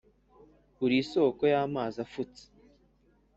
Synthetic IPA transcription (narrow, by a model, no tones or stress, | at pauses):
kuɾiso̞ːkojaːmaːzafut͡se̥